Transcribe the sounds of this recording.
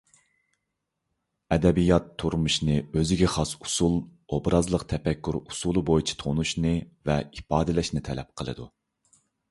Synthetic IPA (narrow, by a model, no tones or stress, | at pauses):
ɛd̪ɛbijɑt̪ʰːuɾmuʃnɨøzɪɡʲɛχɑsu̥sulˠobɾɑzlˠəqt̪ʰɛpɛkʲːyɾusulˠɨbojit͡ʃʰi̥t̪ʰonuʃnɨvɛipɑːd̪ɨlɛʃnɪt̪ʰɛlɛp̚qʰəlˠɨ̰d̪ṵ